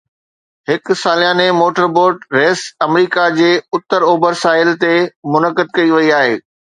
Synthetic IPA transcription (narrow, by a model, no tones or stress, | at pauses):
ɦɪk̆saːljaːnemoːʈəɾboːɾɖɾeːsɐmɾiːkad͡ʑeːʊt̪ːəɾoːbəɾsaːɪlt̪emʊnəkəd̪̚kɐiʋɐiaːɦeː